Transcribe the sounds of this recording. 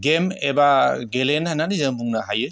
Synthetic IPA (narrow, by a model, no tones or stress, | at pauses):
ɡemebaɡelenhanːanizɯmuŋnaɦajɯ